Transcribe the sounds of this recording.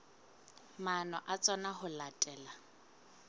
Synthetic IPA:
manɔʔat͡sʼanaɦʊlatʼɛːla

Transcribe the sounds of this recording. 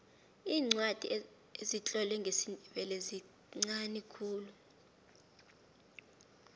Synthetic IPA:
iːŋ͡ǀwad̥ʱʼḭ | ezit͡ɬʼɔlɛŋɡʱesindʱiɓɛlezi | ŋ͡ǀanikʰuːlu

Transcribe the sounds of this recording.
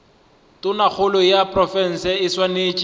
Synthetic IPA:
tʼʊnak͡xʰʊlɔjapʼrɔfɛn̩sɛɪswaneːt͡ʃʼi

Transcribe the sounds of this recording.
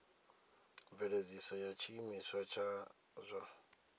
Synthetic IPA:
vɛɺed͡zisɔjat͡ʃʰimiswat͡ʃʰa | zʷa

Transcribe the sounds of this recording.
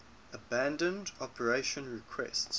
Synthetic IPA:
əbæ̃ndə̃ndɔpʰəɹeʃə̃nɹɪkʰwɛ̰sts

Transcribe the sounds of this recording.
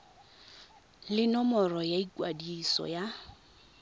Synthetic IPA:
lɪnɔmɔrɔjaikwadisɔ̰ja

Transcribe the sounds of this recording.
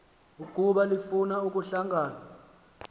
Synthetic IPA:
uk̬ʼuɓalifunauk̬ʼuɬaŋɡʱaːla

